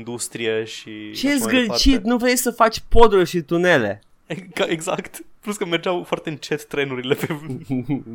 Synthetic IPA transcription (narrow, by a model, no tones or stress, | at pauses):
nd̪ust̪ɾieʃit͡ʃejesɡət͡ʃitt̪nuvɾejsəfat͡ʃʲpod̪uʃit̪une̞le̞̰ | eaeɡzakt̪pluskəmerd͡ʒawfoart̪eɨnt͡ʃet̪ːɾe̞nuɾile̞pe